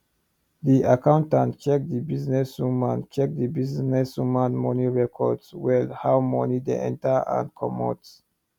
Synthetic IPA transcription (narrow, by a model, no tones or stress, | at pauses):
diʔakãʊ̃ntãntt͡ʃɛk̚d̪ibiznɛsumãnt͡ʃɛk̚d̪ibiznɛsumãnmɔniɹɛkʰɔdswɛlhawmɔ̰nidḛʔɛ̰̃ntaã̰nkʰɔmɔ̰t